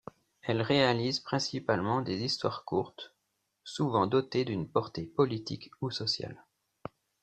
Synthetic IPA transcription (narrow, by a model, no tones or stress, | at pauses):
ɛlʁealizpχɛ̃sipalmɑ̃d̪ezist̪waʁkuʁt̪ | suvɑ̃d̪ɔt̪ed̪ynpɔʁt̪epɔlit̪ḭkusɔsja̰l